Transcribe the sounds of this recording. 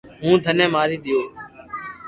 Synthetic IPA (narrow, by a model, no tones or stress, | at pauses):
ɦũːd̪ʱənẽːmaːɾiːɗ̪ɪjoː